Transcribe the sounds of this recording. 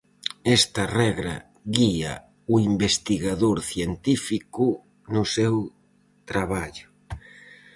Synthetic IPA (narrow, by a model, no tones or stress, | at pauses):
ɛst̪ɐrɛɣɾɐ̰ | ɣiɐ̰ | ʊimbest̪iɣaðoɾθjent̪ifikʊ | nʊsew | t̪ɾaβaʎʊ